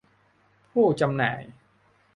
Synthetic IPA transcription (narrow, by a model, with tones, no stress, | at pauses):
pʰuː˥˩t͡ɕa˧mna̰ː˩˦j